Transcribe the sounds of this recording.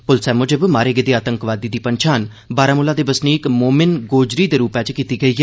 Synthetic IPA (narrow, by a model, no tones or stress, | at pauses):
pʊlsɛːmoːd͡ʒəbmaːɾeːɡed̪eːaːt̪əŋkʋaːd̪iːd̪iːpəɲt͡ʃʰaːn | baːɾaːmʊlãːd̪eːbəsniːkmoːmɪnɡoːd͡ʒɾiːd̪eːɾuːpɛ̃ːt͡ʃkiːt̪iːɡəiːɦɛː